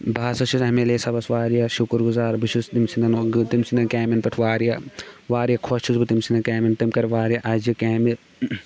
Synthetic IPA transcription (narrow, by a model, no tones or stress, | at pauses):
bʱaːsɐʃʰusɐmeleːsɐbɐsʋaːɾijɐʃukɾɡuzaːɾbiʃʰust̪imsind̪ɐnot̪imsinɐkeːminpɐʈʰʋaːɾijɐʋaːɾijɐkʰot͡ʃʰusbɨt̪imsindɐkeːmint̪imkɐɾʋaːɾijɐʔɐd͡ʒikeːmi